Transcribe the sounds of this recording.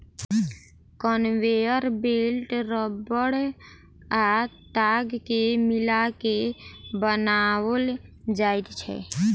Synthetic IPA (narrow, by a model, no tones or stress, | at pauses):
kənweəɾbelʈɾəbəɽ | at̪aɡkemilakebənawəld͡ʒajt̪t͡ʃʰɛ̰